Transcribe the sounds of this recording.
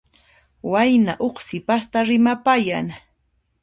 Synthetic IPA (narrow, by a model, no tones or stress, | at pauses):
wajnaʔoχsɪpast̪aɾɪmapajaŋ